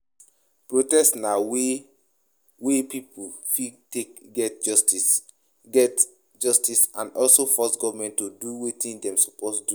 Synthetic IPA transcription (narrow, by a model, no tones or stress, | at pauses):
pɹotɛstnawe | wepipulfitekɡɛtd͡ʒsti | ɡɛt | d͡ʒɔstisãnɔlsofɔsɡɔvamɛ̃ntːoduwetĩndɛ̃mso̥postdu